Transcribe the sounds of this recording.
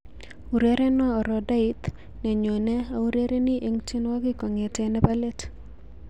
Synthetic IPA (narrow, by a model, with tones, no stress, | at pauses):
u˨ɾe˦ɾɛ˦nɔ˦ɔ˨ɾɔ˨da˦ɪ˦t̪ | nɛ˨ɲo˨nɛ˦a˨u˦ɾe˦ɾe˦nɪ˦ʔe˦ŋt͡ʃe˦nwa˦ɡɪ˦kɔ˨ŋɛ˨tɛ˨nɛ˦ba˦le˦t